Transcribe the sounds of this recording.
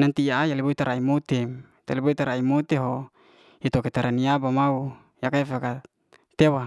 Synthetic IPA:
nant̪iaʔajaliboit̪aɾaimot̪em | t̪aliboit̪aɾaimot̪eɦo | it̪oket̪aɾʔaniabamau | jakaefaka | t̪ewa

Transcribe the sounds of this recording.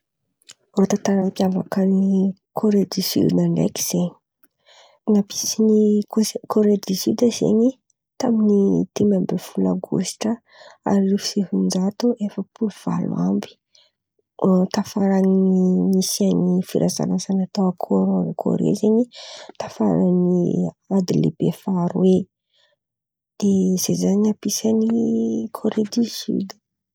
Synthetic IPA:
ɾot̪at̪aɾapiava̰kəni | kʰoɾed̪isy̰d̪inaɳɖ͡ʐḛki̥z̥eɲi̥ | ŋapi̥sinikʰoɾed̪isid̪əz̥ḛɲi | t̪aminit̪emambefulaɡṵsʈ͡ʂə | a̰ɾilufi̥seɦund͡ʒat̪uʔefəpuluv̥a̰lw̰a̰mbi̥ | t̪afaɾanimisianifiɾʔaza̰lazanat̪awakʰoɾkʰo̰ɾḛzeɲit̪ḁfa̰ɾani | ad̪ilḛb̥efaɾwe | d̪̥ez̥ezaɲapisanikʰoɾed̪isy̰d̪ə̥

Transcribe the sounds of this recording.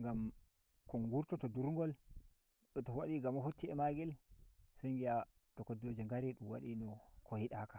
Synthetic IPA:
ŋɡam | kɔŋɡuɾtɔtɔduɾŋɡɔl | ɗɔtowaɗiɡamaɦutːiɛmaɡɛlseŋɡija | tɔkodod͡ʒeŋɡaɾiɗuwa̰ɗinɔkohiɗakḁ

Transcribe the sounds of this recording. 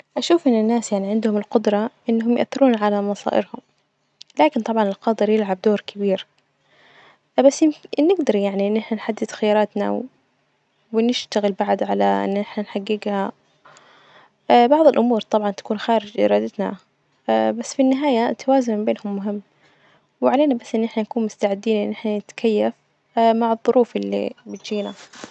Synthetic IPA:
ʔaʃuːfʔɪnːɪnːaːsjaʕniʕɪnd̪hʊmɪlqʊd̪ɾˤɑʔɪnːɦʊmjʊʔa̰θːɪɾuːnʕalamɑsˤɑ̰ːʔɪ̰ɾhʊm | laːkɪnt̪ˤɑbʕɑnɪlqɑːd̪ɨɾjɪlʕab̚d̪oːɾkʰɪbiːɾ | basːjɪmnːɪɡd̪ɑɾˤjaʕniʔɪnːʔɪħnanħad̪ːɪd̪̥xajɑːɾˤɑːt̪na̰ | wɪnɪʃt̪aɣɪlbaʕd̪ʕalaʔɪ̰nːnɪħnanħaɡːɪɡha | bɑʕðˤɨlʔʊmuːɾt̪ˤɑbʕɑnt̪ḁkuːnxaːɾɪd͡ʒʔɪ̰ɾˤɑːd̪ɪt̪na̰ | basːfinːɪɦaːjat̪ʰːawaːzʊnmɪmbeːnhʊmːʊɦɪmː | wɪʕaleːnabasːʔɪnːʔɪħnanakuːnmʊst̪aʕɪd̪ːiːnʔɪnːʔɪħnanɪt̪kʰajːaf | maʕɨðˤːʊɾʔuːfʔɪlːḭbɪt̪d͡ʒiːna

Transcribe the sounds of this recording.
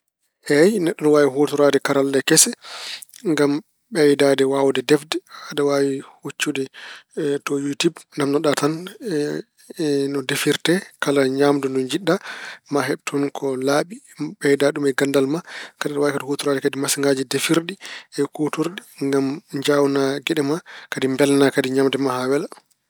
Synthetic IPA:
ʔɛjnɛɗːɔnwawiɦotuɾadɛkaɾalːɛkɛsɛ | ŋɡam | ɓɛjdadɛwawdɛdɛfdɛadawaːwihut͡ʃːudɛ | tɔjutubndamnɔɗatan | nɔdefiɾtɛkalaɲaːmdundund͡ʒiɗːamaɦɛbtʰunkʰɔlaɓi | ɓɛjdaɗumɛɡandalmakadaɗwakatuhotuɾadɛkadimasiŋɡad͡ʒidefiɾɗiɛkotuɾɗiŋɡamɲd͡ʒawnaɡɛɗɛmakadimbɛlnakadiɲaːmdɛmaɦawɛla

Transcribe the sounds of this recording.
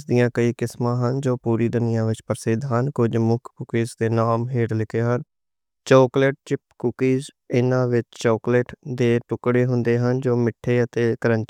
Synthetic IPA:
d̪ɪjãːkəiːkɪsmãːɦənd͡ʒoːpuːɾiːd̪ənɪjãːʋɪt͡ʃpəɾsɪd̪ɦənkʊd͡ʒmʊkʰkʊkiːzd̪eːnaːmɦeːɽlɪkʰeːɦən | t͡ʃoːkleʈ̚t͡ʃɪp̚kʊkiːz | ɪnãːʋɪt͡ʃt͡ʃɔːkleːʈd̪eːʈʊkɽeːɦʊnd̪eːɦənd͡ʒoːmɪʈʰːeːət̪eːkəɾə̃ɲt͡ʃ

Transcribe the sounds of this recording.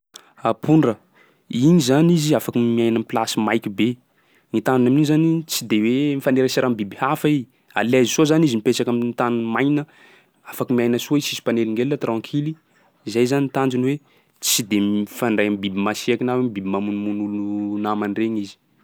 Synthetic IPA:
apʰuɳɖ͡ʐə | iɲizaniziafakəmiajnamplasimajkibe | ŋit̪and͡ʒunamnizanit͡sid̪ewemifaneɾəsaɾambibihafai | a̰lezisozanizimipet͡ʃakaminit̪anunmajnə | afakəmiajnəsoisisi̥paneliŋɡelnət̪rãŋkʰili | zajzanit̪and͡ʒunwe | t͡sid̪emifaɳɖ͡ʐajambibimasiakinawemibibimamunumunulunamanreŋizi̥

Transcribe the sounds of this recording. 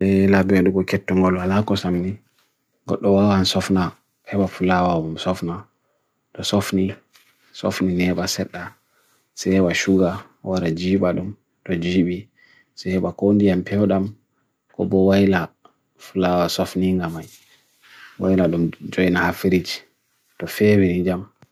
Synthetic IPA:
ɗɛlabiɛɗuɡɔkɛtːɔŋɡɔlwalakɔsamni | ɡɔ̰ɗːɔwawansɔfna | hɛɓafulawamamsɔfna | ɗɔsofni | so̰fninɛɓasɛɗːa | sɛhɛɓaʃuɡa | waɾad͡ʒiːɓaɗum | ɗɔd͡ʒiːɓi | sɛhɛɓakondijampʰɛwɗam | kɔ̰bɔwajla | fulawasofniŋɡamaj | wajlaɗumd͡ʒojnahafiɾid͡ʒi̥ | tɔfɛwinid͡ʒam

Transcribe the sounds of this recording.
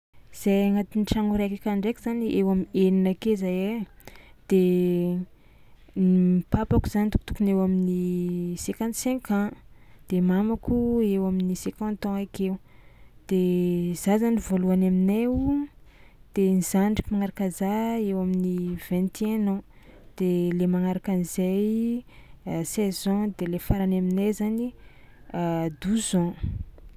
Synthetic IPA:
z̥ajaŋat̪inʈ͡ʂaŋuɾekakaɳɖ͡ʐekiz̥aniʔewameninakezaje | d̪̥e | nimipapakuz̥anit̪ukt̪u̥kunewaminisẽkãnt̪sɛ̃kãd̪̥emamakuewaminisekãnt̪ɔ̃akewd̪̥ez̥azanivoluanamine | d̪̥enizaɳɖ͡ʐikimaŋaɾakazaewaminiv̥ɛ̃nt̪eenɔ̃ | d̪̥elemaŋaɾakanizej | sɛzɔ̃d̪elefaɾanaminejzani | ad̪uzɔ̃

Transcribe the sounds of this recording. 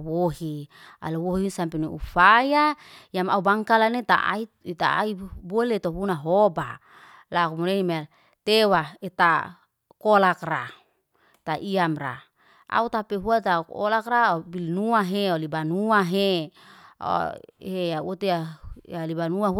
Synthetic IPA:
woɦia̰lowoɦisampeneṵfajaijamaubaŋkalanet̪a̰ʔa̰i | it̪a̰a̰ibolet̪oɦunaɦoba | lakumuɾenima | t̪ewaet̪a | kolakra̰ | t̪aʔiamra̰ | ʔa̰ut̪apeɦuat̪ako̰lakraobilnuaɦeolibanuaɦe | o̰ɦeaut̪eaalibanuaɦ

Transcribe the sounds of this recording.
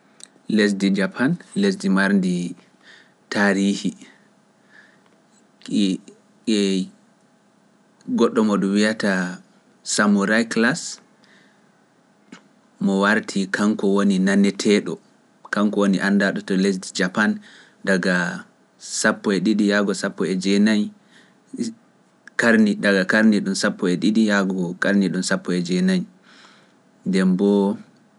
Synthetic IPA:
les̬did͡ʒapʰanles̬dimaɾndi | taɾihi | ɛ | ɡɔɗːɔmɔɗumwiata | samuɾajklas | mɔwaɾtʰikaŋkɔwoninanːɛtʰɛɗɔ | kaŋkɔwoniʔandaɗɔtɔles̬did͡ʒapan | daɡa | sapːɔɛɗiɗijaɡɔsapːɔɛd͡ʒɛnaj | kaɾnidaɡakaɾniɗunsapːɔɛɗiɗijaɡɔkaɾniɗunsapːɔɛd͡ʒɛnaj | ndɛmbɔ

